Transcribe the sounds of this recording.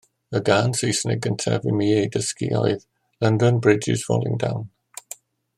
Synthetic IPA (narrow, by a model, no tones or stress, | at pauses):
əɡanseːsnɪɡə̃ntʰɛ̰vɪmiedəskiɔ̰jð | lʌ̃ndənbɹɪd͡ʒɪ̰z̥fɔ̰ːlˠɪ̰̃ŋdãwn